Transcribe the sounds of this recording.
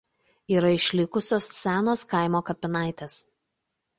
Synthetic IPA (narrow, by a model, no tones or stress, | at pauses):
iːɾɐɪʃʲlʲɪkʊsʲoːssʲæːnoːskɐˑɪmoːkɐpʲɪnɑˑɪt̪ʲeːs